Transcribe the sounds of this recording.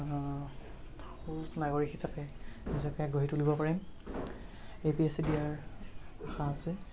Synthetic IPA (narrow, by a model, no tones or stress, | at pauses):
utnaɡoɹikʰisapɛisɔkɛaɡoɦitulibɔpaɹim | epiesidijaɹaxaːsɪ